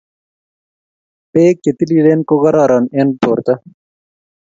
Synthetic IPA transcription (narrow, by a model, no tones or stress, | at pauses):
peːkːet̪iliɖeːnkoɣɐɾɑːɾɑːnenpoːɾt̪ɐ